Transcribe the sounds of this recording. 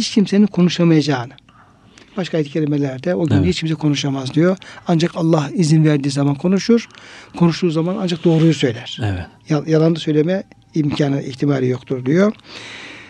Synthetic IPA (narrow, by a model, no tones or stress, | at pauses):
hit͡ʃcʰimse̞nikʰo̞nuʃamajad͡ʒaːnɯ | b̥aʃkʰaːjd̪icʰelʲimelʲæɾd̪ɛo̞ɟynhit͡ʃcʰims̬ɛkʰo̞nuʃamazd̪ijoand͡ʒakalˠːahizinvæɾd̪iːzamankʰo̞nuʃuɾ̥kʰo̞nuʃd̪uːzamana̰nd͡ʒak̚d̪o̞ːɾujusø̞jlʲæɾ̥ɛɛjjalˠand̪ɯsø̞jlʲemɛ | imcʰaːnɯʔiçt̪ʰimaːɾijo̞kt̪ʰuɾd̪ijo̞